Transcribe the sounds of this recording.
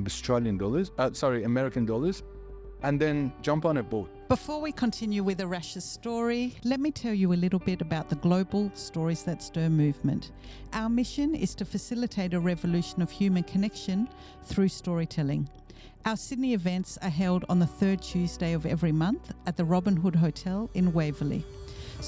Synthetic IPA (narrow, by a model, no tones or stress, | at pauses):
əstɹ̥eɪlˠjɨ̃ndɔlˠə˞zʌsɑɹiəmɛɹɨkɨ̃ndɔlˠə˞z | ʔə̃nðɨ̃nd͡ʒʌ̃mpnɨt̚b̥o | b̥əfɔɹwikʰə̃ntʰɪ̃njʉwɨðɨɹæʃɨz̥stɔɹilɛt̚mitʰɛlˠjɨəlɪɾl̩ˠbɪɾɨbaʊt̪̚ðəɡloʊbl̩ˠstɔɹizðɨtstɜ˞mʉvmɨ̰̃nt | ʔaʊə˞mɪʃɨ̃nɪ̰z̥tʰɨfɨsɪlˠɨtʰeɪɾɨɹɛvɨlʉʃɨ̃nʌv̥hjʉmɨ̃nkʰɨnɛkʃɨ̃n | θɹʉstɔɹitʰɛlˠɪ̰̃ŋ | ʔaʊə˞sɪdⁿniɨvɛ̃ntsə˞ɦɛlˠdn̩ðəθɜ˞d̚tʰʉzdeɪʌvɛ̰vɹimʌ̃nθɨt̪̚ðɨɹɑbɨ̃nɦʊd̚ɦoʊtʰɛlˠɪ̃nweɪvəlˠḭ